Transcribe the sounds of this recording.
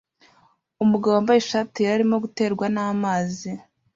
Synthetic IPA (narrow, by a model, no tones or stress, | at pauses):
umuɡaβwoambajeʃatiɾaɾimo̞ɡute̞ːɾɡwanaːmaːzi